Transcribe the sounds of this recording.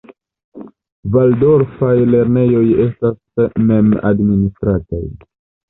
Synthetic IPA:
valdo̞ɾfajle̞ɾne̞jo̞je̞stasme̞ma̰dministɾata̰j

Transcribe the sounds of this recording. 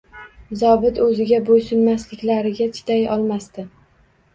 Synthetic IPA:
zɒbɪt̪ɵzɪɡʲabojsʊnmaslɪkʲlaɾɪɡʲat͡ʃʰɪ̥t̪ʰajɒlˠmast̪ɪ

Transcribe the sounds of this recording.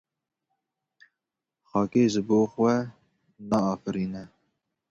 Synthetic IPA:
xɑːkeːʒɨboːxʷwɛ | nɑɑːfɨɾiːnɛ

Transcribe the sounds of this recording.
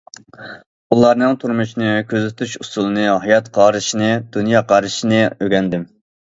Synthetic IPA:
ulˠɑɾnɨŋt̪ʰuɾmuʃinɨkʲʰøzɪt̪ʰyʃusulˠɨnɨɦɑjɑt̪qʰɑːɾɨʃinɨd̪unjɑːqʰɑːɾɨʃinɨøɡʲɛnd̪ɪm

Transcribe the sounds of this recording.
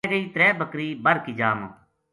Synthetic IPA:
ɡəiːt̪ɾɛːbʱəkɾiːbəɾkiːd͡ʒaːmə̰

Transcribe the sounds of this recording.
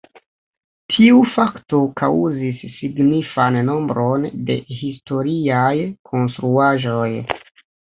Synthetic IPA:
tʰiufakto̞kʰawzisːiɡnifanːo̞mbɾo̞nde̞̰histo̞ɾiajkʰo̞nstɾuaʒo̞j

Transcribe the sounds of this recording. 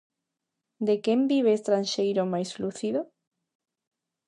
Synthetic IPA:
d̪ekembiβ̞est̪ɾanʃejɾomajsluθiðo

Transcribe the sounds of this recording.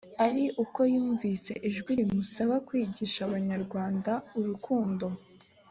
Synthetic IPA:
aɾiʔuko̞juːɱvise̞ʔiʒɡwiɾimusaβakwiːɟiʃaβaɲaɾɡwaːndauɾukuːndo̞

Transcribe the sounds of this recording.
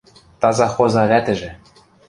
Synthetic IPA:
t̪ɑzɑxozɑβæt̪ɘ̆ʒɘ̆

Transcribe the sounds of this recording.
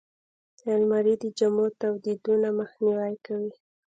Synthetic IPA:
almaɾid̪əd͡ʒamot̪awd̪id̪unaməxniwajkawi

